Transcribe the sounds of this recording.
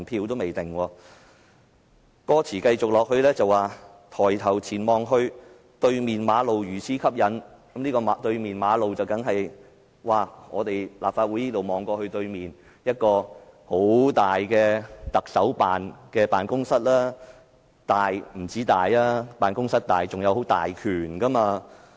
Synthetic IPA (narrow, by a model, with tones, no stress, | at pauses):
npʰiː˧wt̪o˥wme˨jt̪ɪ˨ŋwɔː˧ | kɔː˥t͡sʰiː˨˩kɐ˧jt͡sʊ˨k̚lɔː˨k̚hɵ˧ɥlɛː˥t͡sɐ˨wːaː˨ | t̪ʰɔː˨˩jt̪ʰɐ˨˩wt͡sʰiː˨˩nmɔː˨ŋɦɵ˧ɥ | t̪ɵ˧ɥmiː˨nmaː˨˧lo˨wjyː˨˩sʰiː˨˥kʰɐ˥p̚jɐ˨˥nkɐ˨˥mniː˥kɔː˧m˨t̪ɵ˧ɥmiː˨nmaː˨˧lo˨wt͡sɐ˨wkɐ˨˥ŋɦɐ˨j | waː˨˩ŋɔː˨˧t̪e˨jlaː˨p̚faː˧t̚wu˨˥jniː˥lo˨wmɔː˨ŋkɔː˧hɵ˧t̪ɵ˧ɥmiː˨n | jɐ˥t̚kɔː˧ho˨˥wt̪aː˨jkɛː˧t̪ɐ˨k̚sɐ˨˥wpaː˨nkɛː˧paː˨˩nkʊ˥ŋsɐ˥t̚laː˥ | t̪aː˨jm̩˨˩t͡siː˨˥t̪aː˨jlaː˥paː˨nkʊ˥ŋsɐ˥t̚t̪aː˨˩jt͡sʊ˨ŋjɐ˨˧who˨˥wt̪a̰ː˨jkʰyː˨˩nkɐ˥maː˧